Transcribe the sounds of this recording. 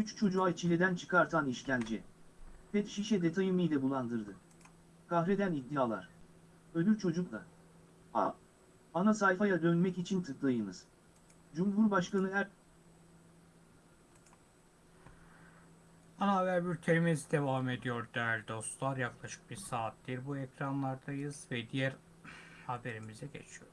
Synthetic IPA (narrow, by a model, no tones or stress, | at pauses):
yt͡ʃt͡ʃʰo̞d͡ʒuat͡ʃʰilʲed̪ænt͡ʃʰɯ̥kʰaɾt̪ʰaniʃcʲænd͡ʒɛpʰɛt̪ʃiʃɛd̪e̞t̪ʰajɯmɯjlʲɛbulˠand̪ɯɾd̪ɯ | kʰaɦɾed̪ænid̪ːijaːlˠa̰ɾ̥ | ød̪lyɾt͡ʃʰo̞d͡ʒuk̚d̪a̰ | a̰ | anasajfajad̪ønmɛcit͡ʃʰint̪ʰɯklˠajɯnɯz̥ | d͡ʒumɦuɾbaʃkanɯɦæ | anaavæɾbyɾt̪ʰeɾmizd̪e̞vaːme̞d̪ijoɾd̪ælʲd̪o̞st̪lˠaɾjaklˠaʃɯ̥k̚biɾsaːt̪̚d̪iɾbuɛcɾanlˠaɾd̪ajɯz̥vɛd̪ijæɾ | habe̞ɾimizɛɟe̞̰t͡ʃʰijoɾ